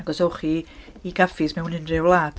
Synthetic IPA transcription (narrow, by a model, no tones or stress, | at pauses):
aɡɔsoχiː | ɡafɪsmɛwnɪnrɪwlˠaːd̥